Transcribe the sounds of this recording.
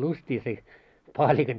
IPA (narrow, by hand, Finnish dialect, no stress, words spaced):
lustʲiː se pɑːlʲikɑn